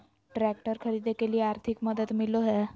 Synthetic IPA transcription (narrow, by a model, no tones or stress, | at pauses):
ʈɾækʈəɾkʰəɾid̪ekeliːaɾt̪ʰikməd̪əd̪miloɦɛ